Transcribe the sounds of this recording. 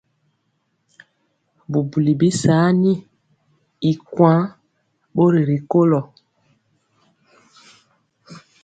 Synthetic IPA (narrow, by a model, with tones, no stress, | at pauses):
bu˨bu˨li˨bi˦saː˨˦ni˦ | i˨kwã˦ | ɓo˦ɾi˨ɾi˨ko˦lɔ˨